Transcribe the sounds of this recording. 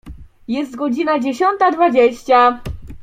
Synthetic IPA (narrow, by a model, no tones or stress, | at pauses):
jɛst̪̚ɡɔd͡ʑinad͡ʑeɕɔnt̪ad̪vad͡ʑeɕt͡ɕa